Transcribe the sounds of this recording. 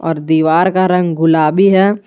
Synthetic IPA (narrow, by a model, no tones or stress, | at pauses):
ɔːɾd̪iːʋaːɾkaɾə̃ŋɡɡʊlaːbiɦɛː